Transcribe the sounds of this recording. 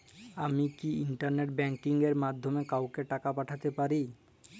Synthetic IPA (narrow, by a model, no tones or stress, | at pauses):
amikiiɳʈaɾneʈbɛŋkiŋɡeɾmad̪ʱːomekawkeʈakapaʈʰat̪epaɾi